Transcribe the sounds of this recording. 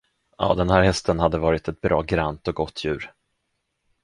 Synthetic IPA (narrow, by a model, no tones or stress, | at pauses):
ɑ̰ːd̪ɛnhæːɾhɛst̪ənhad̪ːəvɑːɾɪt̪ɛt̪̚bɾɑːɡɾant̪ɔɡɔt̪ʰːjʉ̟ːɾ